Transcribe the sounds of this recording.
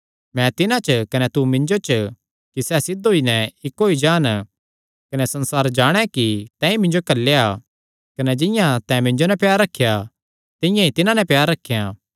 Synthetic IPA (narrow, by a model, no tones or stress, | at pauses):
mɛ̃t̪ɪnãt͡ʃkɐnɛt̪umɪ̃ɲd͡ʒot͡ʃ | kisɛːsɪd̪ʱoːinɛ̃ɪkɦoːid͡ʒaːn | kɐnɛsɐ̃nsaːɾd͡ʒaːɽ̃ɛkit̪ɛ̃ːĩmɪ̃nd͡ʒokɐlːea | kɐnɛd͡ʒɪ̃jãt̪ɛ̃mɪ̃ɲd͡ʒonɛ̃pjaːɾːɐkʰːja | t̪ɪjãit̪ɪnãnɛ̃pjaːɾːɐkʰːeja